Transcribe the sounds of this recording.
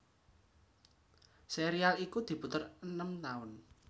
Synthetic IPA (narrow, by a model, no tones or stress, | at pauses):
seɾialikud̪̥i̤put̪ərənəmt̪aʊn